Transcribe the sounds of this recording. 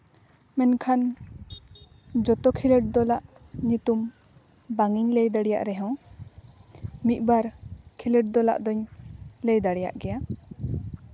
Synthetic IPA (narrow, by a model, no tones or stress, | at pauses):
mɛnkʰan | d͡ʒɔt̪ɔkʰilɛʈ̚d̪ɔlaʔɲut̪um | baŋiɲlɛjd̪aɽija̰ʔɾɛɦɛ̃w | mit̪̚ˀbaɾkʰilɛʈ̚d̪ɔla̰ʔd̪ɔɲlɛjd̪aɽɛja̰ʔɡɛja